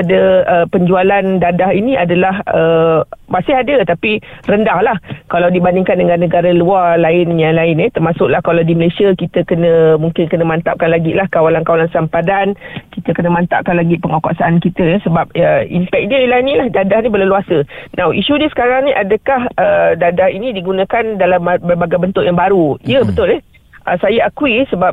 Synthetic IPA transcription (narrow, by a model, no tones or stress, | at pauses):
adəəpəɲd͡ʒualandadahinĩʔadalahəmasɪɦadət̪apirəndahlahkalawdibandiŋkandəŋãnːəɡaɾalualaɪnjaŋlaɪnjɛt̪ərmasʊʔlahkalawdiməlesiakit̪əkənə̃muŋkɪnkənəmant̪a̰ʔ̚kanlaɡilahkawalankawalansampadankit̪əkənəmant̪a̰ʔ̚kanlaɡipəŋakɔ̰ʔsaankit̪əjɛsəbap̚əḭmpɛk̚diəlaɪnĩlahdadahnĩbələluasənawʔiʃudiəsə̥kaɾaŋniʔadəkahʔədadahinĩdiɡunə̃kandalamabərbaɡabənt̪ʊʔjaŋbaɾuiəbət̪ʊlɛh | ʔəsajaakuisəbap̚